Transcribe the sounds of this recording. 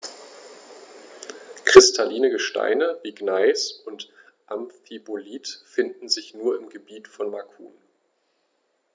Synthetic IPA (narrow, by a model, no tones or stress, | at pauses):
kʁ̥ɪstʰaliːnəɡəʃta̰ɪnəv̥iɡnaɪsʊnt | ʔamfiboliːtfɪndn̩zɪçnuːɐɪmɡəbiːtfɔnmakʰṵːn